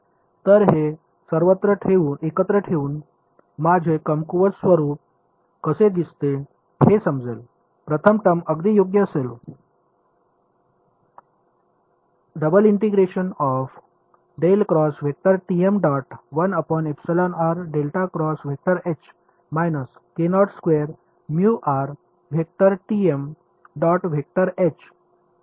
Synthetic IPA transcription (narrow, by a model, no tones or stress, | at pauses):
t̪əɾɦe | səɾʋət̪ɾəʈʰeuːnekət̪ɾəʈʰeuːn | mad͡ʑʱekəmkuʋət͡ssʋəɾuːp̚ | kəsed̪ist̪e | hesəmd͡zḛl | pɾət̪ʰəmʈəməɡd̪ijoɡjəsel | ɖəbəliɳʈiɡɾeɕənɔf | ɖelkɾɔsʋ̤ʱek̚ʈ̪əɾʈiemɖɔʈʋənəpɔnepsəlanaɾɖelʈakɾɔsʋ̤ʱek̚ʈəɾet͡ɕ | majnəskenɔɽskʋeɾ | mjuʔaɾ | ʋʱek̚ʈəɾʈiem | ɖɔʈʋʱek̚ʈəɾet͡ɕ